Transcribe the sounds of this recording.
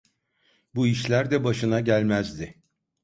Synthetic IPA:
buiʃlʲæɾd̪ɛbaʃɯnaɟælʲmæzd̪ɪ

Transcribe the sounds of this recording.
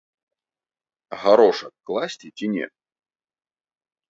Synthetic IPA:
ɣaɾɔʂɐkːlˠasʲt͡sʲit͡sʲinʲɛ̰

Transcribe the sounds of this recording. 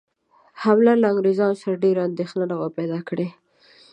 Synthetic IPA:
hamlalaaŋɡɾezɑnosaɾaɖeɾaand̪exnanaɣapajd̪ɑkɽe

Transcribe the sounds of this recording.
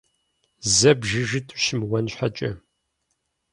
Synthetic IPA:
zɐbʒɨʒɨtʰʼʊʃɪmwɐnɕħat͡ʃʼɐ

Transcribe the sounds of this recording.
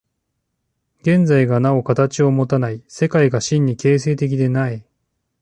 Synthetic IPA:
ɡẽ̞nd͡zaiɡanao̞kat̪at͡ɕio̞mo̞t̪anaise̞kaiɡaɕĩɲ̟ːike̞ːs̬e̞ːt̪e̞k̬ʲid̪e̞nai

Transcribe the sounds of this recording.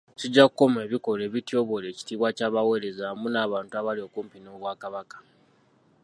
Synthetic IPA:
ciɟːakuko̞me̞ːβiko̞le̞ːβitjo̞βo̞le̞ːci̥tiːβwacaːβawe̞ɾe̞zamunaːβaːntuaβalio̞kuːmpino̞ːβwaːkaβakḁ

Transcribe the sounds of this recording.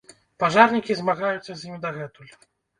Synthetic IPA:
paʐaɾnʲikʲizmaɣajut̪sʲːɐzʲimʲd̪ɐɣɛt̪ulʲ

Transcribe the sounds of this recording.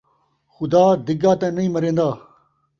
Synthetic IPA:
xʊd̪aːd̪ɪɡaːt̪ɐ̃nɐĩːmɐɾẽːnd̪aː

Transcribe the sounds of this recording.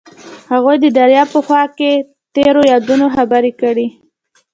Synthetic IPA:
haɣujd̪əd̪aɾjɑpəxwɑke | t̪eɾojɑd̪unoxabaɾikəɽi

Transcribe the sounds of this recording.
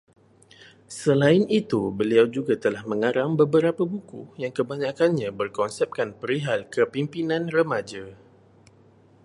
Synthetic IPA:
səlaɪnit̪ubəliawd͡ʒuɡat̪əlahmə̃ŋaɾaŋbəbəɾapabukṵjaŋkəbaɲakanɲãbərkɔnsɛp̚kanpəɾiɦalkəpimpinãnrəmad͡ʒa

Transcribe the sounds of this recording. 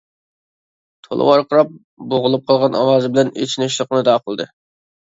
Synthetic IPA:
t̪ʰo̰lˠə̰wɑɾqəɾɑp̚ | boʁʊlˠup̚qʰɑlˠʁɑnʔɑ̰wɑːzɨbɪlɛnḛt͡ʃʰinɪʃ̬lˠəqnɨd̪ɑːqʰəlˠd̪ɨ

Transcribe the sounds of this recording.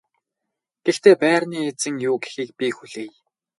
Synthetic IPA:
ɡ̥ext̪eːpæːrniːet͡sɘ̆ŋjuːɡe̥xiːk̚pʲixuɮeːj

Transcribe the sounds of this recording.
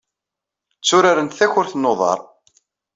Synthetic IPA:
t͡sːʊɾaɾənt̪θæçʊɾθnːoðˤɑ̰ɾˤ

